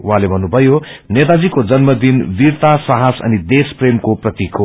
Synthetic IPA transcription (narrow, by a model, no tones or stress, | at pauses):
uɦãlebʱʌnːubʱʌjo | net̪ad͡zikod͡zʌnmʌd̪inbirt̪asʌɦasʌ̰nid̪espremkoprʌt̪ikʰo